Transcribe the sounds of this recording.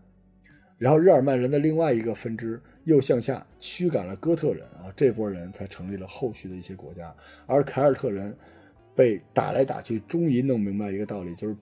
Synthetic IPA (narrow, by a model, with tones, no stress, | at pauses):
ɻa˧˥nxo˥˧ʊɻ̩˥˩ə˞˨˩ma˥˩nɻə˧˥nd̪ə˧li˥˧ŋwa˥˩ɪi˧˥ɡə˧fə˥nʈ͡ʂɻ̩˥ | jo˥˧ʊɕjɑ˥˧ŋɕja̰˥˩t͡ɕʰy˥ka̰˨˩nlə˦kɤ˥t̪ʰɤ˥˩ɻə̰˧˥nɐ˧ʈ͡ʂɤ˥˩p̬wɔ˥ɻə˧˥nt͡sʰa˧˥ɪʈ͡ʂʰɤ˧˥ŋli˥˩lə˩xo˥˧ʊɕy˥˩d̪ə˩i˥˩ɕjɛ˥kwɔ̰˧˥t͡ɕja˥ə˞˧˥kʰa˧˥ɪə˞˨˩t̪ʰɤ˥˩ɻə˧˥n | pe˥˩ɪt̪a̰˨˩la̰˧˥ɪt̪a̰˨˩t͡ɕʰy˥˩ʈ͡ʂʊ˥ŋi˧˥nɤ˥˩ŋmi˧˥ŋba˧ɪi˧˥ɡə˧t̪ɑ˥˩ʊli˨˩t͡ɕjo˥˧ʊʂɻ̩˥˩